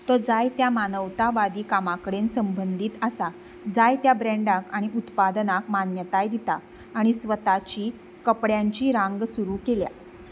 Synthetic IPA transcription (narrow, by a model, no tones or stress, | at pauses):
t̪ɔd͡zajt̪jamanəʋt̪aʋad̪iːkamakəɽensəmbənd̪ʱiːt̪əsa | d͡zajt̪jabɾɛɳɖakaɽ̃iʔut̪pad̪nakmanjət̪ajd̪it̪aː | ɽ̃isʋət̪at͡ɕiː | kəpɽjãɲt͡ɕiːɾãŋɡsuɾuːkelja̰